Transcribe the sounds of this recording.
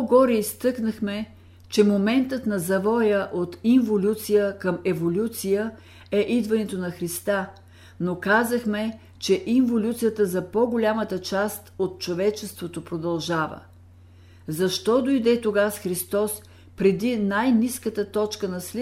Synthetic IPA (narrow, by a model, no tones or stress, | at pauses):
ɡɔɾɛist̪ɤknəxmɛ | t͡ʃɛmomɛnt̪ət̪nɐzɐvɔjəʔot̪iɱvolʲut̪sijəkəmɛvolʲut̪sijə | ɛʔid̪vɐnɛt̪onɐxɾist̪a | nokazəxmɛ | t͡ʃɛʔiɱvolʲut̪sijət̪əzɐpɔɡʊlʲamət̪ət͡ʃast̪ot̪̚t͡ʃovɛt͡ʃɛst̪vot̪opɾod̪ɐlˠʒavə̰ | zɐʃt̪ɔd̪ojd̪ɛt̪oɡasxɾist̪ɔs | pɾɛd̪inajniskət̪ət̪ɔt͡ʃkənɐsli